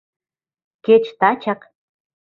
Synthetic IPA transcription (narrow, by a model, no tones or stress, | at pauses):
ket͡ʃt̪at͡ʃaq